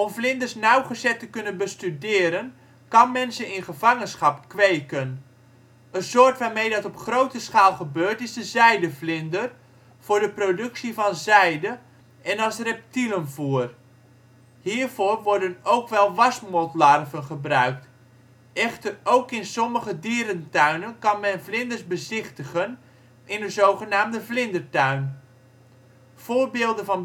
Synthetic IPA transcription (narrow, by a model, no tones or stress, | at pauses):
ɔmflɪndərsnawχəzɛtəkɵnənbəstydɪːɾən | kɑnmɛnsəɪnχəvɑŋənsχɑpkʋejkən | ənsoːrtʋaːmejdɑtɔpχrowtəsχaːlˠχəbøːɹtɪsdəzɛjdəflɪndər | v̥ʊːrdəprodɵksivɑnzɛjdə | ʔɛnɑlˠsrɛp̚tilənvuər | hiːrvoːrʋɔɹdənowkʋɛlˠʋɑsmɔtlarvənχəbrœɥkt | ʔɛχtərowkɪnsɔməχədiːɾəntœɥnənkɑnmɛnvlɪndərsbəzɪχtəɣən | ʔɪnəzowχənaːmdəvlɪndərtœɥn | foːrbɪːlˠdənvɑn